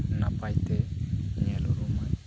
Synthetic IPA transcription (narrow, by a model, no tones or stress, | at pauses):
napajt̪ɛɲɛluɾuma